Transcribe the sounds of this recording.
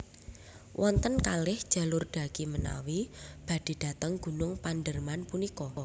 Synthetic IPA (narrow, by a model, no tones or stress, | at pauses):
wʔɔnt̪ənkalɪhd̥ʒ̥a̤lʊrɖ̥a̤ɡ̥iməna̰wib̥ä̤d̥i̤d̥a̤t̪əŋɡ̥ṳnʊŋpandərmanpunikɔ